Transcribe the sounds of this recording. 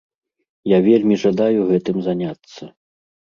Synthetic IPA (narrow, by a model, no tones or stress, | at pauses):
javʲelʲmʲiʐad̪ajuɣɛt̪ɨmzanʲat̪sːɐ